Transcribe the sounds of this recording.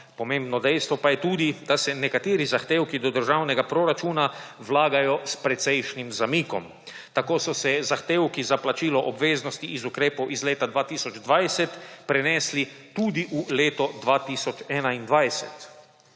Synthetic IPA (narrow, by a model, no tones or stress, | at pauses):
pɔmẽmbnɔd̪ɛjst̪ʋɔpajɛt̪uːd̪id̪̥asɛnɛkat̪eːɾizaxt̪eːwkid̪ɔd̪əɾʒawnɛɡapɾoɾat͡ʃuːnawlaːɡajɔspɾɛt̪sɛjʃnimzamiːkɔ̰m | t̪akoːsɔsɛzaxt̪eːwkizaplat͡ʃiːlɔʔɔbʋeːznɔst̪iʔːzukɾeːpowʔizleːt̪ad̪ʋaːt̪iːsɔd͡ʒd̪ʋajsɛt̪pɾɛnɛːslit̪uːd̪iʔuleːt̪ɔd̪ʋaːt̪isɔt͡ʃɛːnaind̪ʋajsɛ̰t̪